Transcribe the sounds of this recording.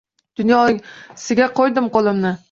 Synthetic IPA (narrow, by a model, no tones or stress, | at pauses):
d̪̥ʊnjɒsɪɡʲaqʰojd̪ɪmqolˠɪmnɪ